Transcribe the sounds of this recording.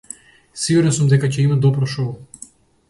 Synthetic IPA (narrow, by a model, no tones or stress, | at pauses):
siɡuɾɛnsumd̪ɛkacɛimad̪ɔpɾɔʃɔɔ